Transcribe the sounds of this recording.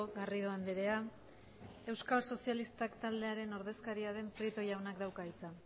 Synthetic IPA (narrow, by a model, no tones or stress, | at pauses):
ɣariðoand̪eɾe̞a | e̞wskalso̞sialist̪akt̪ald̪e̞aɾe̞no̞ɾðe̞skaɾiaðe̞mpɾit̪o̞jawnakd̪awkait͡sa